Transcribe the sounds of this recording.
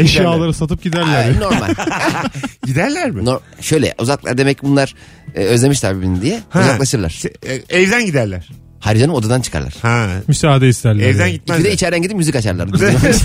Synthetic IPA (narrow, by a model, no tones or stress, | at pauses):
eʃjaːlˠaɾɯsat̪ɯp̚ɟid̪æɾlʲæɾno̞ɾma̰lʲ | ɟid̪æɾlʲæɾmɪnoɾ | ʃø̞jlʲɛ̰ʔuzaklˠa̰ɾd̪emɛcʰːbunlˠaɾ̥ | øzlʲeiʃlʲaɾbibinind̪ijɛhuzalˠaʃɯɾlˠa̰ɾ̥ɛvd̪ænɟid̪æɾlʲæɾ̥ | haɾid͡ʒanɯmo̞d̪ad̪ant͡ʃʰɯ̥kʰa̰ɾlˠa̰ɾ̥hamysaːad̪ɛist̪ʰæɾlʲɛvd̪ænɟit̪mæid̪ɛit͡ʃʰɛɾd̪ænɟid̪ipmyzikat͡ʃaɾlˠa̰ɾd̪i